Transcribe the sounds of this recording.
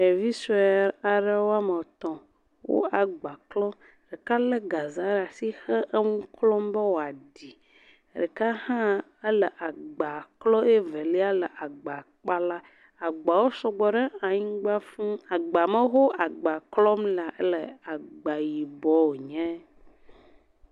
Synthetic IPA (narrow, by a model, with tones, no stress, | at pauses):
e˨vi˦su˦ɛ˦˨ɾa˨ɖe˦wo˦a˦mə˨t̪ɔ̃˨ | wo̰˦a˨ɡ͡ba˨klɔ˦m˨ | ɖɛ˨ka˦le˦ɡa˨za˦ɾa˨si˦xɛ˦ʔə˦ŋũ˦klɔ˦mbɛ˦wo˨a˨di˨ | ɖe˨ka˦hã˦ | e˦lə˨ʔa˨ɡ͡ba˨klɔ˦e˦vɛ˨li˦a˦lə˨ʔa˨ɡ͡ba˨k͡pa˦la˦ | a˨ɡ͡ba˨wo˦sɔ˦ɡ͡bɔ˨ɖɛ˦a˨ɲĩ˦ɡ͡ba˦fũ˦a˨ɡ͡ba˨mə˦ɦo˦a˨ɡ͡ba˨klɔ˦mla˨ʔe˦lə˨a˨ɡ͡ba˨ji˨bɔ˦wo˨ɲɛ̃˦